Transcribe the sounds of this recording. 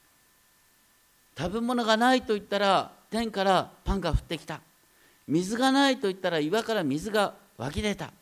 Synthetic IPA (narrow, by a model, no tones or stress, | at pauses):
t̪abe̞mo̞no̞ɡanait̪o̞it̪ːaɾat̪ẽ̞ŋkaɾapãŋɡaɸɯ̟̥t̪ːe̞kʲi̥t̪a | mʲizɨɡanait̪o̞it̪ːaɾaiβakaɾamʲizɨɡa | βa̰kʲid̪e̞t̪a̰